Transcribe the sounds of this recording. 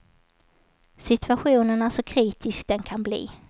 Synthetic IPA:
sɪt̪ʰɵaɧuːnənasɔkʰɾiːt̪ʰɪskd̪ɛnkʰanblḭː

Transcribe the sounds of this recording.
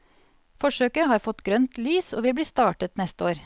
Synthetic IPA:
fɔʃøːkəhɑːɾfɔt̪ɡɾœnt̪lyːsoːʋɪlbliːst̪ɑːʈət̪nɛst̪əoːɾ

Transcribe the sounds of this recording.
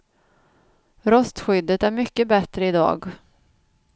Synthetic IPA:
ɾœst̪ɧʏd̪ːət̪æɾmʏkːəbɛt̪ɾəɪd̪ɑ̰ːɡ

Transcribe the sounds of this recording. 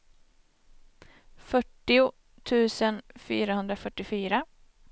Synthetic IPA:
fœʈːɪʊ | t̪ʰʉ̟ːsənfyːɾaɦɵnd̪ɾafœʈːɪfyːɾa

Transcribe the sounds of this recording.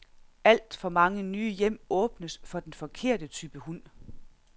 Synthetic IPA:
æl̰d̥fɒ̽mɑ̈ŋənyːjem̰ɔ̽ːb̥nəsfɒ̽d̥enfɒ̽kʰe̝ɐ̰d̥ət͡sʰyːb̥əhun̰

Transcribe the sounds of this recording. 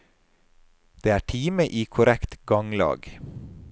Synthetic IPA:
d̪̥eːæːʈʰiːməʔiːkʰʊɾɛkt̪ɡɑŋlɑ̰ːɡ

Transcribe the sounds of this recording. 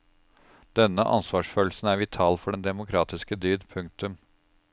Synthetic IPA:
d̪̥ɛnːəʔɑ̰nsʋɑːʂføːl̩sn̩æːɾʋɪt̪ʰɑːlfɔɖɛnd̪ɛmʊkʰɾɑːt̪ɪskəd̪yːd̪pʰʉŋk̚t̪ʉm

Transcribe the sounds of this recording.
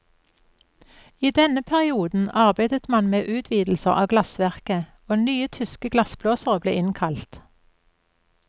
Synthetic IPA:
iːd̪ɛnəpʰæʁɪuːd̪n̩ɑʁbæɪd̪ət̪mɑnmeːʔʉːt̪ʰʋiːd̪l̩səʁɑːɡlɑsʋæʁkə | oːnyːət̪ʰʏskəɡlɑsbloːsəʁəblḛːɪnkʰɑlt̪

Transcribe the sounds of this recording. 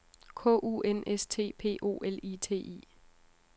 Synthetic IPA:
kʰɔ̰̽ːʔṵːenest͡sʰe̝̰ːpʰe̝̰ːʔo̝̰ːʔeliːt͡sʰe̝̰ːʔḭː

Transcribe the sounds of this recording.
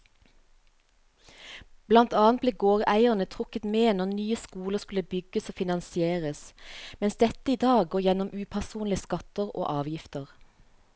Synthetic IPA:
b̥lɑnt̪ɑːnt̪bleːɡoːʁæɪəʁnət̪ʰʁʊkət̪meːnɔʁnyːəskuːləʁskʉləbʏɡəsoːfɪnɑnsɪeːʁəsmɛnsd̪ɛt̪əiːd̪ɑːɡɡoːʁjɛnɔmʉːpʰæʁsuːnlɪəskɑt̪əʁo̰ːʔɑːʋjɪft̪əʁ

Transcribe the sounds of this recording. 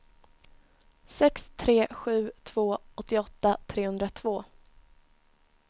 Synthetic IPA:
sɛkst̪ʰɾeːɧʉ̟ːt̪ʰv̥oːɔt̪ːɪɔt̪ːat̪ʰɾeːhɵnd̪ɾat̪ʰvoː

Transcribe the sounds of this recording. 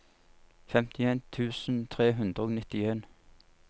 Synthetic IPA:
fɛmt̪ʰɪeːnt̪ʰʉːsn̩t̪ʰʁeːɦʉnd̪ʁəoːnɪt̪ɪeːn

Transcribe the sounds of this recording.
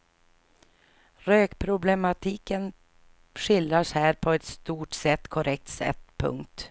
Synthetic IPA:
ɾøːkpʰɾʊblɛmat̪ʰiːkən | ɧɪlɾaʂhæːɾpʰɔɛt̪st̪uːʈsɛt̪ːkʰʊɾʔɛk̚t̪sɛ̰t̪ːpʰɵ̰ŋkt̪

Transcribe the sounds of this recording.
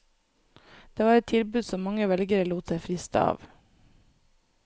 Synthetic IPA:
d̪̥eːʋɑːɾɛt̪ʰɪlbʉːd̪sɔmːɑŋəʋɛlɡəɾəluːt̪efɾɪst̪ə̰ɑ̰ːʋ

